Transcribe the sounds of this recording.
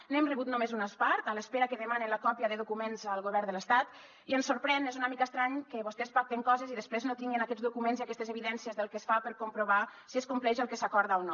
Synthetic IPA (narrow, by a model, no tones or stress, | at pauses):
nemreβut̪numezunəspaɾt̪ələspeɾakəðəmanenləkɔpiəðəðukumenzəlˠɣoβɛɾnd̪ələst̪at̪ | iənsoɾpɾɛnezunamikəst̪ɾaɲkəβost̪espak̚t̪eŋkɔzeziðəspɾeznot̪iŋɡenakɛd͡zd̪ukumenziakɛst̪ezəβiðɛnsiəzðəlˠkesfapəɾkompɾuβ̞asieskumplɛʒəlˠkəsakɔɾðaono